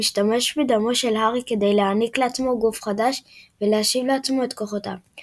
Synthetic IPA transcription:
iʃtame̞ʃbed̪amoʃe̞lɦaʁike̞d̪e̞jleanikleat͡smo̞ɡufχadaʃveleaʃivleat͡smo̞et̪koχota̰

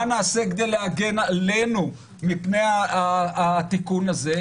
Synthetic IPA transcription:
anaːsekd̪ejleaɡenalenu | mipnejaaat̪ikunaze

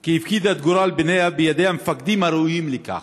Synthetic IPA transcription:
keifkid̪at̪̚ɡʊɾaːlbɪnejabijad̪eamfak̚d̪imaɾujiːmlɪka̰x

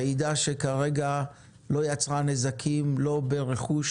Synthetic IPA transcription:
eid̪aʃekaʁeɡa | lo̞jat͡sʁanezakʰimlo̞beʁe̞χuʃ

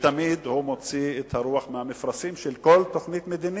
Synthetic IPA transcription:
t̪amid̪humot͡siet̪haʁuaχmehamifʁasimʃelko̞lt̪o̞χnit̪med̪ini

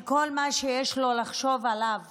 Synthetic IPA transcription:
kolmaʃejɛʃlo̞laχʃo̞valav

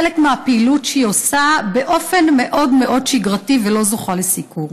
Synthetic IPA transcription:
elekmeapiːlutʃijosabe̞ʔo̞fe̞nme̞ʔo̞dme̞ʔo̞dʃiɡʁativelo̞zoχalesikuʁ

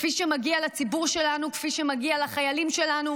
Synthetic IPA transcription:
fiʃemaɡialat͡sibuʁʃe̞lanukfiʃemaɡialaχajalimʃe̞lanu

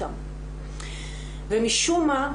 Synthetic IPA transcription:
am | vemiʃuma

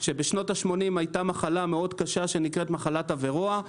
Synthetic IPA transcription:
ʃe̞be̞ʃnotaʃmo̞nimajtamaχalame̞o̞dkaʃaʃe̞nikʁetmaχalatave̞ʁoa

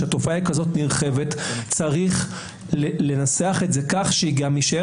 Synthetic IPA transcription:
ato̞faaikazo̞tniʁχe̞ve̞tt͡saʁiχ | lle̞naseaχetze̞kaχʃeiɡamiʃae

